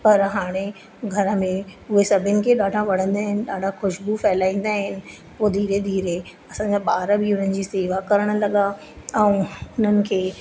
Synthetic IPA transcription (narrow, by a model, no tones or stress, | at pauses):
pɐɾɦaːɽ̃e | ɡʱɐɾə̆mẽʊɦesɐbʱɪənɪ̆kʰeɗaːɖʱãʋɐɽ̤ə̃nd̪aːɦɪnɪ̆ɗaːɖʱaxʊʃbufɛːlaːĩːn̆d̪aːɦɪnɪ̆ | poːd̪ʱiːɾed̪iːɾe | ɐsãːɲd͡ʑaɓaːɾəbɪʊn̤ənɪ̆d͡ʑiːseːʋakɐɾəɽ̃̆lɐɠa | ɛ̃ːʊn̤ənɪ̆kʰeː